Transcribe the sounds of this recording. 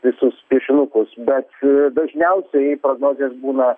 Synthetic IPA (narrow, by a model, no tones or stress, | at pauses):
ʋʲɪsʊspʲiɛʃʲɪnʊkʊsbʲɛt̪d̪ɐʒʲnʲɛʊsʲɛɪpɾoːɡnoːzʲeːsbuːnɐ